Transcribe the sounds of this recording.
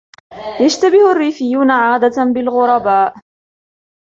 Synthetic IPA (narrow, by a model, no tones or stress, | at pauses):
jaʃt̪abɪharːiːfɪjːuːnaʕaːd̪at̪anbɪlɣʊɾˤɑbaːʔ